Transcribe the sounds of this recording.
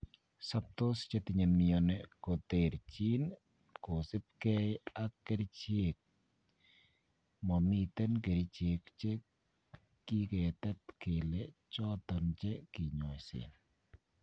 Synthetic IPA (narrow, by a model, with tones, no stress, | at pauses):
sa˦p̚t̪o˦st͡ʃe˦t̪i˨ɲe˨mi˨ɔ˨nɛkɔ˨t̪e˨ɾt͡ʃi˦n | ko˨sɪ˦p̚kɛ˦ja˦kːe˦ɾi˦t͡ʃe˦k̚ | mɔ˨mi˨t̪ɛ˦nke˨ɾit͡ʃe˨kt͡ʃe˦ | ki˦kɛ˨t̪ɛ˦tke˨let͡ʃɔ˦t̪ɔ˨nt͡ʃɛ˦kɪ˨ɲɔ˨sɪ̰˨n